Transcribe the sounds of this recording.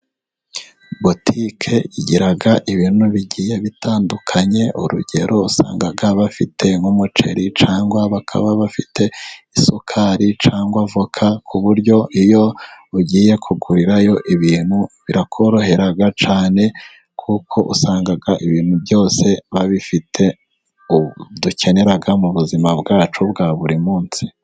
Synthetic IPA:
botʰikʰe̞iɟiɾaɡaʔiβiːn̥huβiɟiːje̞βitʰaːndukʰaɲe̞ʔuɾṵɟe̞ɾo̞usa̰ːŋɡaɡaβafitʰe̞ŋumut͡ʃe̞̰ɾit͡ʃaːŋɡwaβakʰa̰βaβafitʰe̞isokʰaɾit͡ʃaːŋɡwavokʰakʰuβuɾɟo̞ijo̞uɟiːje̞kʰuɡuɾiɾajo̞ʔiβiːn̥huβiɾakʰo̞ɾo̞ɦe̞ɾaɡat͡ʃaːne̞ | kʰukʰo̞ʔṵsaːŋɡaɡaʔiβiːn̥hubɟo̞ːse̞βaβifitʰe̞ | uduce̞ne̞ɾaɡamuβuzimabɡaːt͡ʃubɡaβuɾimuːnsi̥

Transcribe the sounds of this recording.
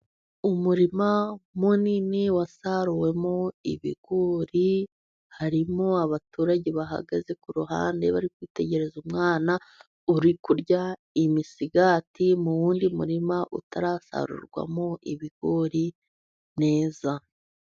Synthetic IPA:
umuɾimamuniniwasaɾuwe̞mo̞ḭβḭɡ̥oːɾi | haɾimo̞aβatuːɾaɟeβaɦa̰ɡaze̞kuɾuɦa̰ːnde̞βaɾikwiːte̞ɟe̞ɾe̞zumŋaːna | uɾikuɾɟa | imisiɡaːtimuwuːndimuɾimaʔutaɾaːsa̰ɾṵɾɡwa̰mo̞ʔiβiɡ̥oɾi | ne̞ːza

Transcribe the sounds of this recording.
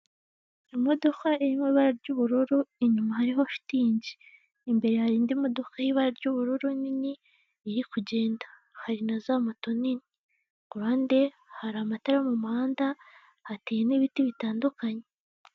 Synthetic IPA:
imo̞do̞kaʔeɾimeβaɾaɾɟuːβuɾuɾuiɲumahaɾiɦo̞ʃi̥tiːɲɟiː | mbe̞ɾe̞haɾiːndimo̞do̞kajiβaɾaɾɟuβuɾuɾuniniː | ɾikuɟe̞ːndḁ | haɾinazamato̞nini | kuɾaːnde | haɾaːmataɾamumaːnda | hatejeniβitiβitaːndukaɲe

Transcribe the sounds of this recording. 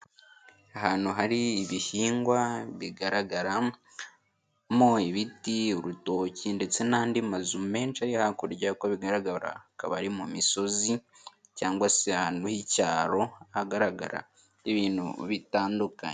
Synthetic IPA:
aɦaːnhuɦaɾiːβihiːŋɡwaβiɡaɾaɡaɾa | moiβitioɾuto̞ːcinde̞t͡se̞naːndimazume̞ːnt͡ʃajehakuɾɟakoβiɡaɾaɡaɾa̰ka̰βaɾimumiso̞zi | caːŋɡwaseahaːnuhicaːɾo̞haɡaɾaɡa̰ɾa̰ | iβiːnṵβitaːnduka̰ɲe

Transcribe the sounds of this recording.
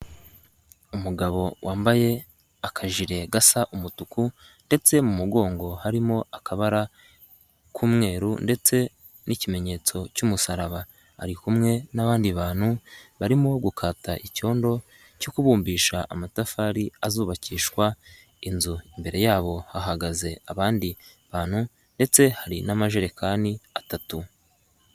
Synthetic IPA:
umuɡaβo̞wʔaːmbaje̞ | akʰaʒiɾe̞ɡasaʔumutuku | nde̞t͡se̞mumuɡo̞ːŋɡo̞haɾimo̞akaβaɾa | kʰuːmŋe̞ːɾunde̞t͡se̞ | nicime̞ɲe̞ːt͡so̞cumusaɾaβa | a̰ɾikumŋe̞naβaːndiβaːn̥huβaɾimo̞ɡukʰaːtaʔico̞ːndo̞ | cokuβuːmbiːʃaʔamatafaɾiazuːβaciːʃkwa | inzuimbe̞ɾe̞jaːβo̞haɦaɡaze̞aβaːndiβaːn̥hu | nde̞t͡se̞haɾinamaʒe̞ɾekʰaːniatatu

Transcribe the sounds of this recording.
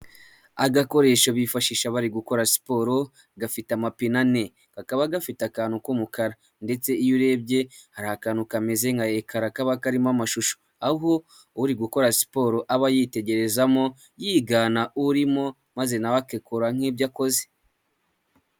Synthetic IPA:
aɡako̞ɾe̞ːʃoβifaʃiʃaβaɾiɡuko̞ɾasi̥po̞ːɾo̞ | ɡafitamapinane̞ | kakaβaɡafitakaːnhukumukaɾa | nde̞t͡se̞ijuɾe̞b̚ɟe̞haɾahakaːnukameze̞ŋɡajekʰaɾakaβakaɾimamaʃuʃo̥ | auɦo | uɾiɡuko̞ɾasi̥po̞ːɾoʔaβajite̞ɟe̞ɾe̞zamo̞ | jiːɡanaʔuɾimo̞ | maze̞naβakekoɾaŋ̥iːbɟako̞ze̥

